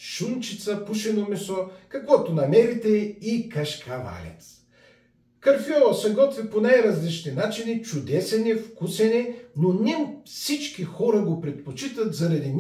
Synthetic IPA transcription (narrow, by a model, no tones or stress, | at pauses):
ʃunt͡ʃit̪sɐpuʃɛnomɛsɔkɐkvɔt̪onɐmɛɾit̪ɛikɐʃkʰɐva̰lʲɛ̰t̪s | kɐɾfiɔɾsɐɡɔt̪viponajɾɐzlit͡ʃninat͡ʃinit͡ʃʊd̪ɛsɛnifkusɛninonʲɛmfsit͡ʃkixɔɾɐɡopɾɛt̪̚pot͡ʃit̪ət̪zɐɾɐd̪in